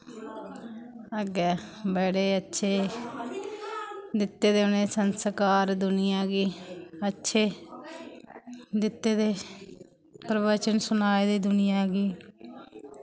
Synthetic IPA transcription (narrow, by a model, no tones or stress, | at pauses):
əɡɛːbɛːɽeːətːʃʰeː | d̪ɪt̪ːeːd̪eːʊneːsənsəkaːɾd̪ʊnɪjãːɡiːətːʃʰeː | d̪ɪt̪ːeːd̪eː | pɾəʋət͡ʃənsʊnaːed̪eːd̪ʊnɪjãːɡiː